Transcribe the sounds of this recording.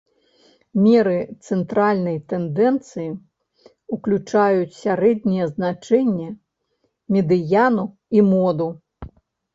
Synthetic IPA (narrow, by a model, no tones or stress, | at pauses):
mʲɛɾɨt̪sɛnt̪ɾalʲnɐjt̪ɛnd̪ɛnt̪sɨji | uklʲut͡ʂajut͡sʲsʲaɾɛd̪ʲnʲɛjɛznat͡ʂɛnʲːɛ | mʲɛd̪ɨjanu | imɔd̪u